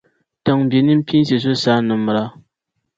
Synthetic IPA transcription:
tə˨ŋm˨be˨ni˦m̩˦pʲi˦n˦s̬e˨s̬o˦sa˦nɨ˨m˨ɾa˨˦

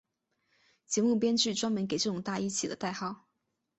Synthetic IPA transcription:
t͡ɕjɛ˧˥mu˥˩pjɛ˥nt͡ɕy˥˩ʈ͡ʂwɑ˥ŋmə˧˥nke˨˩ɪʈ͡ʂɤ˥˩ʈ͡ʂʊ˨˩ŋt̪a˥˧i˥˩t͡ɕʰi˨˩d̪ə̰˦t̪a˥˧ɪxɑ˥˩ʊ

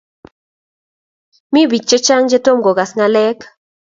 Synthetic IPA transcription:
mi˦bi˨t͡ʃ̚t͡ʃe˦t͡ʃa˦ŋd͡ʒe˦to˦mɡɔ˨ɡa˨sŋa˨lɛ˦k

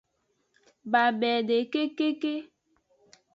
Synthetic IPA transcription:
ba˨bɛ˨de˨ke˦ke˦ke˦

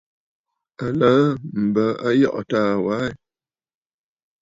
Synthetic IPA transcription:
a˨naː˨˦m̩˨bə˨˦a˦jɔ̰˦˨ʔɔ˨taː˦˨wa˨˦˨

